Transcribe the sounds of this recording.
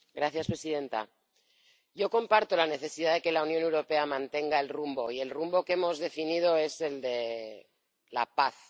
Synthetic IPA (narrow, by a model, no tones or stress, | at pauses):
ɡɾaθjaspɾe̞sið̞e̞nt̪a̰ | ɟ͡ʝo̞ko̞mpaɾt̪o̞lane̞θe̞siðaðe̞ke̞launjo̞ne̞wɾo̞pe̞amãnt̪e̞ŋɡae̞lrumbo̞ie̞lrumbo̞ke̞mo̞zðe̞finið̞o̞e̞se̞ld̪e̞ | la̰paθ